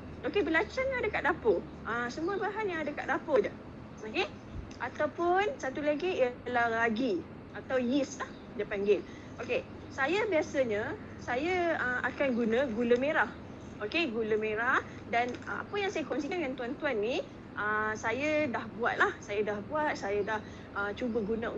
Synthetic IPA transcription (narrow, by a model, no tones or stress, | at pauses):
okebəlat͡ʃaɲaadəkaʔdapo | ʔəsəmũəbaɦanjãŋadaka̰ʔdapəda | oke | ʔat̪awpʊnsat̪ulaɡiialahlaɡi | at̪awjislah | dəpaŋɡɪl | ʔoke | sajabiasəɲə | sajəəʔa̰kanɡunə̃ɡuləmeɾah | ʔokeɡuləmeɾah | danə̰a̰pəjaŋsajəkɔns̬ikanŋant̪uant̪uanːi | ʔəsajədahbuat̪̚lahsajadahbuat̪̚sajadah | ʔət͡ʃubəɡunəṵ